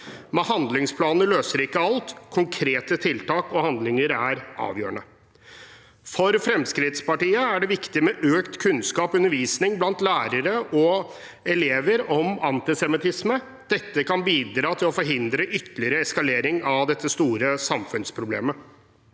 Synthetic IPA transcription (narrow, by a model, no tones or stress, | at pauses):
mɛɦɑnd̪lɪŋspʰlɑːnəløːsəɾɪkːəɑlt̪kʰʊŋkʰɾeːt̪ət̪ʰɪlt̪ɑːkɔhɑnd̪lɪŋəɾæɾʔɑ̰ːʋjøːəɳə | fɔɾfɾɛmskɾɪt̪spɑʈiːəæɖɛʋɪkt̪ɪmɛʔøːkt̪kʰʉnskɑːpɔʉnəɾʋiːsnɪŋblɑnt̪læːɾəɾəʔɔ | ɛleːʋəɾɔmɑnt̪ɪsɛmɪt̪ɪsmə | d̪̥ɛt̪ːəkɑnbiːd̪ɾɑːt̪ʰɪlɔfɔɾɦɪnd̪ɾəʔʏt̪ːəlɪəɾəɛskɑleːɾɪŋɑʋd̪ɛt̪ːəst̪uːɾəsɑmfʉnspʰɾʊblḛːmə